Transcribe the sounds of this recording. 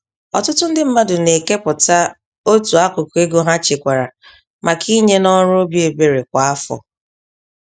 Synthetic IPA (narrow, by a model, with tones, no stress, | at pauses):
ɔ̰˨tʊ˦tʊ˦n̩˦dɪ˦m̩˦ma˦dʊ˨ne˨ke˦pʊ˨ta˦ | o˦tu˨a˦kʊ˨ke˦ɡo˦ɦa˦t͡ʃɪ˨kʷa˨ɾa˨ | ma˨kʰi˦ɲe˦nɔ˦ɾʊ˦o˦bje˨be˨ɾe˨kʷa˨a˦fɔ̰˨